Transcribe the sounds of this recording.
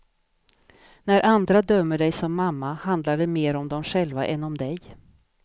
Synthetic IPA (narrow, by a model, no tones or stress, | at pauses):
næɾʔand̪ɾad̪œmːəɖɛjsɔmːamːahand̪laɖɛmeːɾɔmd̪ɔmɧɛlva̰ʔɛnːɔmd̪ɛj